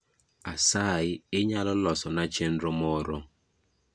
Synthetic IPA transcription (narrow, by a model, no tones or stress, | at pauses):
asaɪɪɲalʊlɔsɔnat͡ʃen̩ɾɔmɔɾɔ